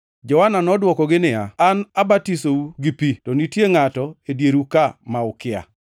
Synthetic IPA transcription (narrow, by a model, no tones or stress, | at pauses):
d͡ʒɔwananɔdwɔkɔɡɪnɪaanabatisouɡipitɔnitjeŋatɔedjeɾukamaʊkɪa̰